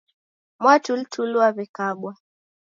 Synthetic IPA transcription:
mwatul̩tʰuluaβɛkaɡwa

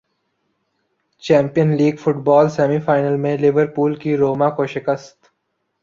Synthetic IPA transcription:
t͡ʃɛ̃ːmpijənliːɡfʊʈbɔːlsɛːmifaːɪnəlmẽlɪʋəɾpuːlkiɾoːmãkoʃɪkəst̪

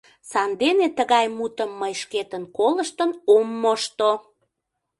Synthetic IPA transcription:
sɑnd̪enet̪əɣɑjmut̪əmːəjʃket̪ənkoləʃt̪ənomːoʃt̪o

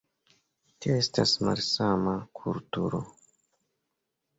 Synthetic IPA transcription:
tioe̞stasma̰lsamakʰultuɾo̰

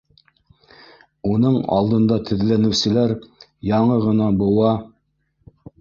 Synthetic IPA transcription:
unɤɴɑ̰lˠd̪ɤ̆nd̪ɑt̪ʰɘ̆ðlænɘ̆wsɘ̆læɾjɑɴɤʁɤ̆nɑbŏw̪ɑ

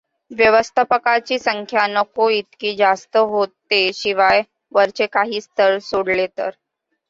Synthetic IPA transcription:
ʋjəʋəst̪ʰapəkat͡ɕiːsəŋkʰjanəkoit̪kiːd͡zast̪əɦot̪ːeɕiʋaj | ʋəɾt͡ɕekaɦiːst̪ʰəɾsoɽlet̪əɾ

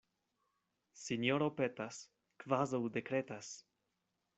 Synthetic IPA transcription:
sinjoɾopetas | kvazawdekɾetas

